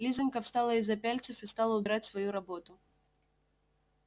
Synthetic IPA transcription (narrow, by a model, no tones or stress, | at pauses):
lʲizɨnʲkəfst̪alˠəizɐpʲalʲt̪sɨfɨst̪alˠəʊbʲɾatʲsvɐjuɾɐbot̪ʊ